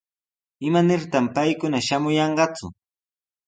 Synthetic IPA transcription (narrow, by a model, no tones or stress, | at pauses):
ɪmanɪɾt̪ampajkʊnaʃamʊjɑɴɢɑt͡sʊ̰